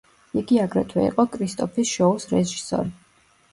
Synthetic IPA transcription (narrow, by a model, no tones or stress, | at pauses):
iɡiaɡɾɛt̪ʰwɛ̰ḭqʼɔkʼʰɾist̪ʼɔpʰisʃɔusɾɛʒisɔ̰ɾi